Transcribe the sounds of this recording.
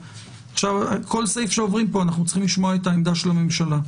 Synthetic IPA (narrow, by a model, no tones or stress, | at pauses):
aχʃavkʰo̞lsejfʃeovʁimpo̞anaχnut͡sχimliʃmoaet̪aemd̪aʃelame̞mʃala